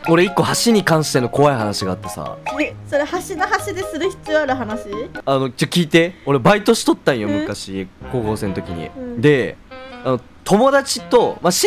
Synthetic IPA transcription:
oɾe̞ikːo̞haɕiɲ̟ikãɰ̃ɕi̥t̪enoko̞βaihanaɕiɡaːt̪ːe̞̥sa̰esoɾehaɕinoɦaɕid̪e̞sɨɾɯ̟çi̥t͡sɨoaɾɯ̟ɦanaɕiano̞t͡ɕokʲiːt̪e̞o̞ɾebait̪o̞ɕi̥t̪o̞t̪ːãɰ̃jomɯ̟kaɕiko̞ːko̞ːse̞not̪o̞kʲḭɲ̟ḭd̪e̞ano | t̪ʰo̞mo̞d̪at͡ɕit̪o̞maɕi

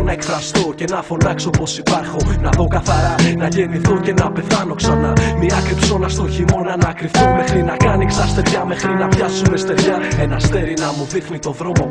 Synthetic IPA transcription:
nɐe̞kfɾɐst̪oce̞nɐfo̞nɐksopo̞sipɐɾxonɐðo̞kɐθɐɾɐnɐʝe̞niθunce̞nɐpe̞θɐno̞ksɐnɐmiɐkɾipso̞nɐst̪oçimo̞nɐnɐːkɾiθunme̞xɾinɐkɐniksɐst̪e̞vʝɐme̞xɾinɐpʝɐsume̞st̪e̞vʝɐe̞nɐst̪e̞ɾinɐmuðixnit̪o̞ðɾo̞mo̞

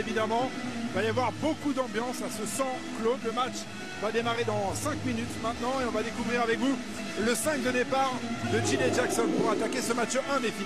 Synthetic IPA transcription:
evid̪amɑ̃valavwaʁbokud̪ɑ̃bjɑ̃sasəsɑ̃kloləmat͡ʃ | vad̪emaʁed̪ɑ̃sɛ̃kminyt̪mɛ̃t̪nɑ̃eɔ̃vad̪ekuvʁiʁavɛkvu | ləsɛ̃kd̪əd̪epaʁd̪əd͡ʒineʒaksɔnpuʁat̪akʲesəmat͡ʃʔɛ̃d̪efi

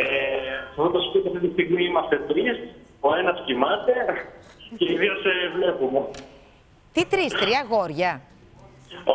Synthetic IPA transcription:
efθot̪ɐspot̪eɐft̪it̪ist̪iɣmiimɐst̪e̞t̪ɾis | oenɐscimɐt̪e̞ | ceiðiosevle̞pume | t̪it̪ɾist̪ɾiɐɣo̞ɾʝɐ

